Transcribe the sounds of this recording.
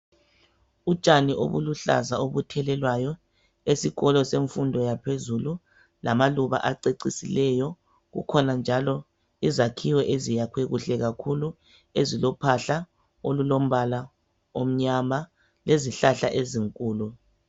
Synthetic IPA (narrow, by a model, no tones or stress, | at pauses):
u̥t͡ʃʼaniʔo̰βṵluɬa̰zaoβutʰɛlɛlwajɔ | esiɣɔlɔseɱfundʱɔjapʰezulu | lamaluβa̰ʔaǀeǀisilɛjɔ | ɣṵkʰɔnand͡ʒʱalɔ | izakʰiwɛʔezijakʰweɣuɬɛɣakʰulu | ezilɔpʰaɬa | olulom̩βala | om̩ɲama | leziɬaɬaʔeziŋkʼuːlu